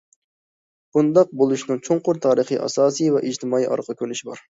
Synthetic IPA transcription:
b̥und̪ɑq̚bolˠuʃnɨŋt͡ʃʰoŋqʊɾt̪ʰɑːɾəχɨʔɑ̰sɑːsɨjvɛʔid͡ʒt̪ɨmɑːiʔɑ̰ɾqʰəkʲønyʃibɑ̰ɾ

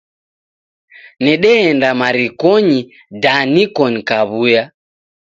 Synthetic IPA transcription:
nɛɗɛɛndamaɾikɔɲi | danikɔnkaβuja

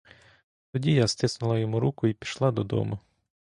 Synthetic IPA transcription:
t̪ɔdʲijast̪ɪsnʊlˠɐjɔmuɾukʊipʲi̥ʃlˠɑd̪ɔd̪ɔ̰mʊ

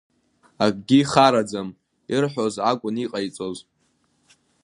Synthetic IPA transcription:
akʼɡʲiχaɾad͡zam | irħʷᶣozakʷʼʊniqʼajt͡sʼoz

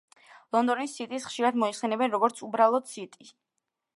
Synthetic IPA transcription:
lˠɔnd̪ɔnisːit̪ʼisχʃiɾad̪mɔiχsɛnɛbɛnɾɔɡɔɾt̪sʰubɾalˠɔd̪sit̪ʼi

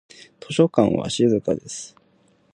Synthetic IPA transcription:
t̪ʰo̞ɕo̞kã̰ɰ̃βa̰ɕizɨkad̪e̞sɨ̥

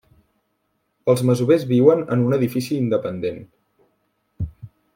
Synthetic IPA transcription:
əlˠzməzuβezβiwənə̰nunəðifisiːnd̪əpənd̪en

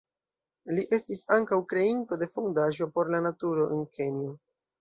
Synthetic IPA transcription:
liʔe̞stisaŋkawkɾe̞into̞de̞fondaʒo̞po̞ɾlanatuɾoʔenkʰe̞nio

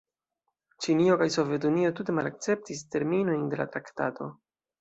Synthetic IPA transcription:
t͡ʃinio̞kajso̞vje̞tunio̞tute̞malak̚t͡se̞p̚tis̬te̞ɾmino̞jnde̞la̰tɾaktato̞̰

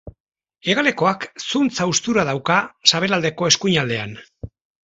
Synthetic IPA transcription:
e̞ɣale̞ko̞aksunt͡saust̪uɾað̞awkasaβe̞lald̪e̞ko̞e̞skuɲald̪e̞an

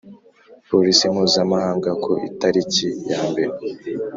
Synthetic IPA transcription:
poɾisim̥huːzamahaːŋɡakʰoʔitaɾicijaːmbe̞ɾe

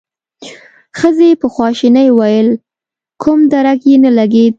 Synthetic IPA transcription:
xəzepəxwɑʃinajwɑjəl | kʰumd̪aɾakjenalaɡed̪̚

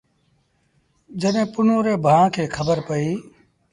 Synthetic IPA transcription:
d͡ʒəɗɦẽpʊnoːɾeːbʱãːkʰeːkʰəbəɾpəiː

